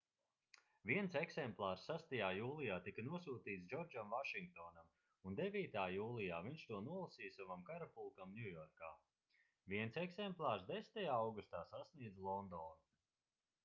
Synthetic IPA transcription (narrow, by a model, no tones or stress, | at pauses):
viɛnseksɛmplˠaːɾsːast̪ajaːjuːlˠijaːt̪ikɐnuɔsuːt̪iːt̪sd͡ʒɔɾd͡ʒamvaʃiŋk̚t̪ɔːnam | und̪evʲiːt̪aːjuːlˠijaːviɲʃt̪uɔnuɔlˠasiːjsavamkaɾapulˠkamnjujɔɾkaː | viɛnsɛksemplˠaːɾsd̪est̪ajaːawɡust̪aːsasniɛd̪zlˠɔnd̪ɔːn